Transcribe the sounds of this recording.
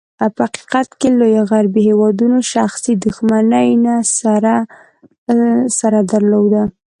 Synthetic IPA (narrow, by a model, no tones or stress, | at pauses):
aphaqi̥qat̪kelojoɣaɾbiɦewɑd̪unoʃaxsid̪uxmanəjnasɾ | saɾad̪aɾlowd̪a